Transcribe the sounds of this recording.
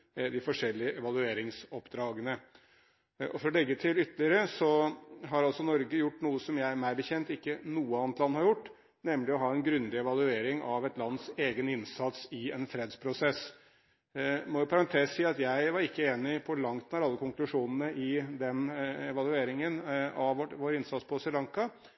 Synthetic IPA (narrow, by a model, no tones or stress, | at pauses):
d̪ɪfɔʂɛlːɪəʔɛʋɑlˠʉeːɾɪŋsɔpd̪ɾɑːɡənə | ʔɔfɔɾɔlɛɡːət̪ʰɪlʏt̪ːəlɪəɾəsɔɦɑɾɑlsɔnɔɾɡəjʊʈːnuːəsɔmjæɪæɾmæɪbəçɛnt̪ɪkːənuːəɑːnət̪lɑnːhɑɾjʊʈː | nɛmlɪɔɦɑːɛnɡɾʉnd̪ɪɛʋɑlʉeːɾɪŋʔɑʋɛt̪lɑnd̪seːɡənɪnsɑt̪sɪɛnfɾeːd̪spʰɾʊsɛs | mɔjʊpʰɑɾɑnt̪ʰeːsiːɑt̪jæɪʋɑɾɪkːəeːnɪfʰɔɭɑŋt̪nɑɾɑlːəkʰʊŋklʉʂuːnənəʔɪd̪ɛnɛʋɑlʉeːɾɪŋənɑʋɔʋoːɾɪnsɑt̪spʰɔsɛlɑŋkɑ